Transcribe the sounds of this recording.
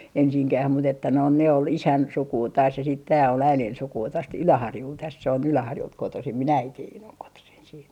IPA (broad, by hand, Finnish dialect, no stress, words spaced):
ensiŋkæh mut etːæ noin ne ol isæn sukuː tɑːs se sit tæː ol æilen sukuː tost ylæhɑrjult tæs se on ylæhɑrjult kotosim min æitiːn oŋ kotosin siːt